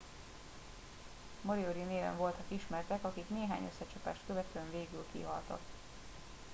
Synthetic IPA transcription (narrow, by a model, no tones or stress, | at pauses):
moɾioɾineːvɛ̰ɱvo̞lt̪ɒkiʃmɛrt̪ɛkɒkikneːɦa̰ːɲøsːɛt͡ʃɒpa̰ːʃt̪køvɛt̪øɛɱveːɡylkḭɒ̰lt̪ɒ̰k